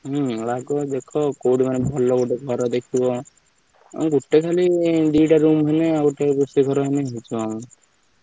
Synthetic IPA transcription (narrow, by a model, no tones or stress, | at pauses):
ɦulaɡɔd̪ekʰɔkoɽimanebʱɔlɔɡuʈeɡʱɔɾɔd̪ekʰibɔ̰ | ɡuʈːekʰaliɖ̪iɖaɾumɦɔneaɡuʈepusiɡʱɔɾɔɦeneɦit͡ʃʰuam